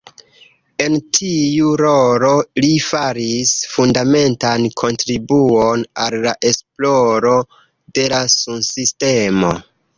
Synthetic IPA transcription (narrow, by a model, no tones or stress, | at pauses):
e̞ntʰiuɾo̞lo̞lifaɾisfundame̞ntankʰo̞ntɾibuonalːaʔe̞splo̞ɾo̞ | de̞lasunsiste̞mo̞